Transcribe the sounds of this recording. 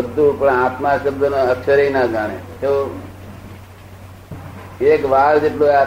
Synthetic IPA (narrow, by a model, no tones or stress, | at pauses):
əd̪ʱːũpəɳat̪maʃəbd̪ʱənoəkʃəɾəinaɡʱãɽ̃ḛt̪o | ekʋaɾd͡ʒeʈloa